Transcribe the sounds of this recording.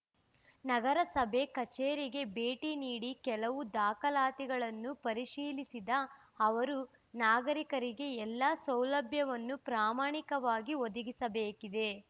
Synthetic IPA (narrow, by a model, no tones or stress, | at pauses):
nɐɡɐɾɐsɐbʱe̞kɐt͡ʃeːɾiɡe̞beːʈiniːɽikɛlɐʋud̪aːkɐlaːt̪iɡɐɭɐnːupɐɾiʃiːlisid̪ɐː | ʋɐɾu | naːɡɐɾikɐɾiɡe̞ɛlːɐsɐwlɐbʱjɐʋɐnːupɾaːmaːɳikɐʋaːɡiod̪ɐɡisɐbeːkid̪e̞